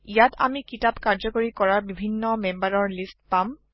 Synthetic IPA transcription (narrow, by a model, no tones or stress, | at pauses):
ijatʰa̰mikitapkaɹzɔkoɹikɔɹaɹbibʱinːɔmɛmbaɹɔɹlistpam